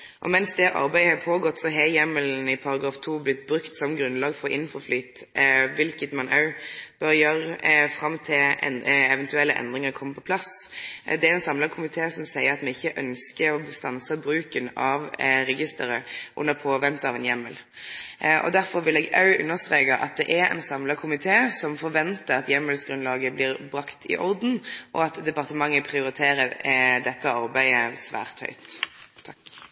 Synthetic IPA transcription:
ʔɔ̰mɛnsd̪ɛʔɑ̰ɾbæɪɑpʰoːɡɔt̪ːsɔɦɛjɛmːəln̩ɪpʰɑɾɑɡʁɑːft̪ʰuːblɪt̪ːbɾʉkt̪sɔmɡɾʉnlɑːɡfɔɾɪ̰nːnfɔɾflyːt̪ʋɪlkət̪mɑnʔɑʉb̥øɾjøɾfɾɑmt̪ʰɪlɛ̰ɛʋɛnt̪ʉɛlːəʔɛ̰nd̪ʁɪŋəɾkʰɔmːəpʰɔpʰlɑs | d̪ɛæɾɛnsɑmlɑɡkʰʊmɪt̪ʰeːsɔmsæɪəɾɑt̪mɛɪçːəʔœnskəɔst̪ɑnsəbɾʉːkənɑʋɾɛɡɪst̪əɾəʔʊ̰nːəʁpʰoːʋɛnt̪əɑʋɛnjɛmːəl | ʔɔ̰d̪æɾfɔɾʋɪlɛːɡɑʉʔʉ̰nːəʁst̪ʁeːkɑʔɑ̰t̪̚d̪ɛʔæɾɛ̰nsɑmləkʰʊmɪt̪ʰeːsɔmfɔɾʋɛnt̪əɾɑt̪jɛmːəlsɡɾʉnlɑːɡəblɪːɾbʁɑkt̪ʰɪ̰ʔɔʁd̪n̩ʔɔ̰ɑt̪d̪ɛpɑʁt̪əmɑŋːəpʰʁɪʊɾɪt̪ʰeːɾəd̪ɛt̪ːəɑɾbæɪəsʋæ̰ːʁt̪hœ̰ʏt̪ʰːɑk

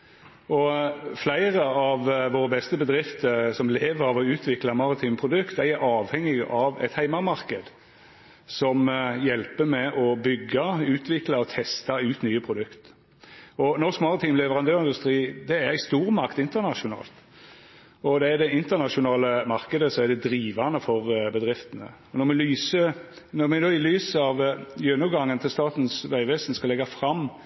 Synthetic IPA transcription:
ɔflæɪʁəɑʋʋoːʁəbɛst̪əbəd̪ʁɪft̪əsɔmleːʋəɾɑʋɔʉːt̪ʰʋɪklɑmɑːʁɪt̪ʰiːmpʰʁʊd̪ʉkt̪æjɑːʋhɛŋːɪɡɑʋɛ̰t̪hæɪmɑmɑʁkəd̪ | sɔmjɛlpəmɛʔɔbʏɡːɑʉːt̪ʰʋɪklɑɔt̪ʰɛst̪ɑʉːt̪nyːəpʰʁʊd̪ʉkt̪ | ɔnɔʁskmɑlət̪ʰiːmlɛʋəʁɑnd̪øːʁɪnd̪ʉst̪ɾiːd̪ɛæɾst̪uːɾmɑʁkt̪ɪnt̪əʁnɑʃʊnɑ̰ːlt̪ | ɔd̪ɛæd̪ɛɪnt̪ənɑʂʊnɑːləmɑʁkəd̪əsɔæd̪ɛd̪ɾiːʋɑnəfɔʁbəd̪ɾɪft̪ənə̰ | ɔnɔmɛlyːsənɔʁmɛnoːɪlyːsəɑʋjønʉɡɑŋːənt̪ʰɪlst̪ɑːt̪nsʋæɪʋɛsnskɑlɛɡɑfɾɑmː

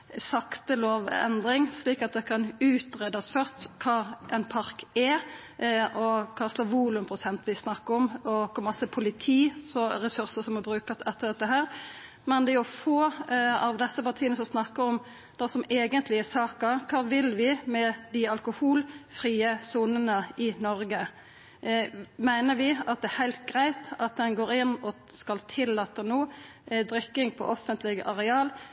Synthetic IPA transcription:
sɑkt̪əloːʋɛ̰nd̪ɾɪŋsliːkɑt̪̚d̪ɛkʰɑnʉːt̪ʁɛd̪ɑsfœʁt̪kʰɑːʔɛɪnpʰɑɾkɛ | ʔɔkʰɑːslɑʋuːlʉmpʰʁʊsɛnt̪ʋɪsnɑkːəɾɔmɔkʰɔmɑsəpʰʊlɪt̪ʰiːsɔɾɛsʉʁsəsɔmɔbɾʉːkɑsɛt̪ːəɾd̪ɛt̪ːəɦæːɾ | mɛnd̪ɛjʊfoːɑ̰ʋd̪ɛsːəpɑʁt̪ʰiːənəsɔmsnɑkːəɔm | d̪̥ɛsɔmeːɡənt̪ʰlɪɛsɑːkəkʰɑːʋɪlʋɪmɛd̪ɪɑlkʊhuːlfɾiːəsuːnənəɪnɔɾɡə | mæɪnəʋɪɑt̪̚d̪ɛæhæɪlt̪̚ɡʁæɪt̪ɑt̪̚d̪ɛnɡoːɾɪnːɔ | skɑlt̪ʰɪlːɑːt̪ːənuː | d̪ɾʏkːɪŋpʰɔ̰ʔɔfənt̪ʰlɪɡəʔɑɾɛɑːl

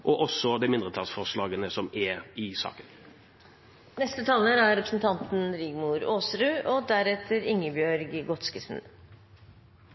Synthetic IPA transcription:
ʔɔʔɔsɔd̪ɛɪmɪnd̪ʁət̪ʰɑlsfɔʁslɑːɡənəsɔmɛɪsɑ̰ːkən | nɛst̪ət̪ʰɑːləɾæɾɾɛpɾəsn̩t̪ʰɑnt̪n̩ɾiɡmuːɾoːsɾʉːʔɔːd̪æɾɛt̪ʰəɾɪŋːəbjœɾɡɡɔt̪skəsn̩

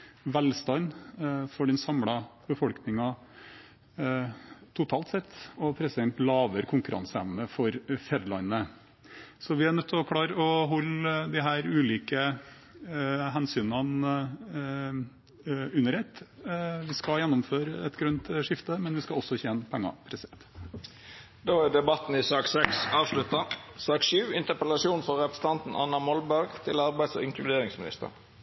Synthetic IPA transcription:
ʋælst̪ɑnfɔɖɛnsɑmɽɑb̥əfɔlknɪŋɑ | t̪ʰʊt̪ʰɑːlt̪sɛt̪ːɔpʰɾɛsɪd̪ɛnt̪lɑːʋəɾkʰʊŋkʉɾʔɑ̰nsɛʋnəfɔɾfɛɾlɑnə | sɔʋɪæɳœt̪ʰːɪɔkʰlɑːɾəɔɦɔlːd̪ɪɦæːɾʉːliːkə | ɦɛnsyːnɑn | ʉnːəɾhet̪ːʋɪskɑjɛnːʊmføːɾɛt̪ɡɾʉnt̪ʂɪft̪əmɛnʋɪskɑɔsːɔçeːnəpʰɛŋːɑ̰pʰɾɛsɪɛnt̪ | d̪oːæd̪ɛbɑt̪n̩ɪsɑːksɛksɑːʋʂlʉt̪ːɑsɑːkʃʉːɪnt̪əpəlɑsuːnfɔɾɛpɾəsə̥n̩t̪ʰɑnt̪n̩ɑnɑmɔlbæɾɡt̪ʰɪlɑɾbæɪd̪sɔ̰ɪŋkʰlʉd̪eːɾɪŋsmɪnɪ̰st̪ə̰ɾ

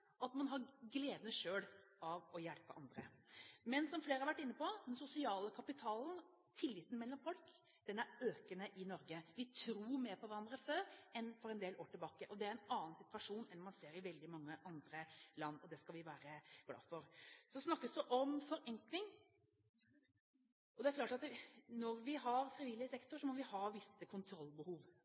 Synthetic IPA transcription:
ɑt̪mɑnɦɑɾɡleːd̪ənəʂøːlɑʋɔjɛlpəʔɑnd̪ɾə̰mɛnsɔmfleːɾhɑɾʋæʈːɪnːəpɔd̪ɛnsʊsɪɑːləkʰɑpɪt̪ʰɑːln | t̪ʰɪlːɪːt̪ːn̩mɛlːɔmfɔlk | d̪̥ɛnæɾøːkənəʔɪnɔɾɡəʋɪt̪ʰɾuːɾmeːɾpʰɔʋæɾɑnd̪ɾəføːɾɛnfɔɾɛnd̪eːloːʈɪlbɑːkəʔɔd̪ɛæɾɛɪnɑːnsɪt̪ʋɑʂuːnɛnmɑnseːɾɪʋɛld̪ɪmɑŋːəʔɑnd̪ɾəlɑnːɔd̪ɛskɑlʋɪʋæːɾəblɑ̰ːfɔɾsɔsnɑkːəsd̪ɛʔɔmfɔɾɛŋklɪŋ | ʔɔd̪ɛæɾkʰlɑːʈɑt̪nɔɾʋɪɦɑɾfɾɪʋiːlɪəsɛkt̪ʊʂɔmɔʋɪhɑːʋɪsəkʰʊnt̪ʰɾɔlːbəhuːʋ

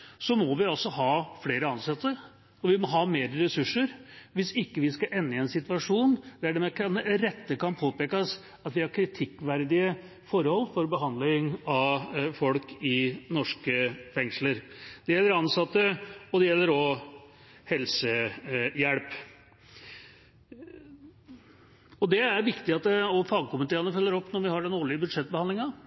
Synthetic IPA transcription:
sɔmɔʋɪɑlsɔɦɑːfleːɾəɑnsɑt̪ːə | ɔʋɪmɔɦɑːmeːɾəɾɛsʉʂːəɾʋɪsɪkːəʋɪskɑʔɛnːəɛnsɪt̪ʋɑʂuːnd̪̥æɖɛmɛkʰɑnɛɾɛt̪ːəkɑnpʰoːpeːkəs | ɑt̪ʋɪhɑɾkʰɾɪt̪ʰɪkːʋæɾd̪ɪə | fɔɾhɔlːfɔɾbəɦɑnd̪lɪŋɑfɔlkɪnɔʂkəfɛŋʂləɾd̪̥ɛjɛlːəɾɑnsɑt̪ːəɔd̪ɛjɛlːəɾɔ | hɛlsəjæɽp | ɔd̪ɛæɾʋɪkt̪ɪɑt̪̚ɛɔfɑːɡəkʊmət̪eːɾənəfœlːəɾɔpːnɔɾʋɪhɑɖɛnoːɭɪəbʉd̪ʂɛt̪̚ːbəhɑnɪŋɑ

